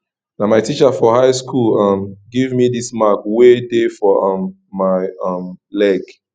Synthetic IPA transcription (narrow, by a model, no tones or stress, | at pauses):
namaɪtʰit͡ʃəfɔhaɪskʰulʌmɡivmidismakwedefɔʌmː | aɪʌmlɛɡ